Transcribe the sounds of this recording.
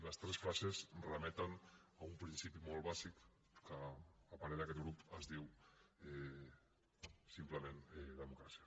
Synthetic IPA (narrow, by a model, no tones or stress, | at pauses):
ləst̪ɾesfɾasezrəmɛt̪ənaumpɾinsipimolˠβazik | kəːpaɾeðakɛt̪̚ɣɾupəzðiwɛ | simpləmenɛðəmukɾasia